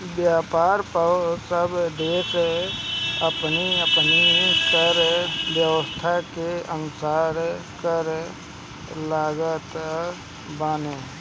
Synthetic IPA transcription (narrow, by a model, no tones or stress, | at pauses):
bjaːpaːɾpəsəbd̪eːs | əpniəpnikəɾbjəwəst̪ʰakeənʊsaːɾkəɾ | laːɡət̪ | baːne